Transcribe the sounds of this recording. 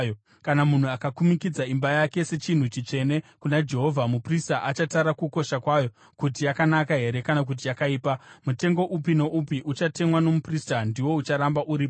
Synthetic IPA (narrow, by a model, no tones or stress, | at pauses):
jo | kanamun̤uakakumikid͡zaimbajake̞se̞t͡ʃin̤ut͡ʃit͡ʂe̞ne̞kunad͡ʒe̞ɦo̞vʱamupristaʔat͡ʃataɾakuko̞ʃakwajo̞ | kut̬ijakanakaɦe̞ɾe̞kanak̬ut̬ijakaiːpamute̞ŋɡo̞ʔupino̞ʔupiʔut͡ʃate̞mwano̞mupristandiwo̞ut͡ʃaɾambaʔuɾip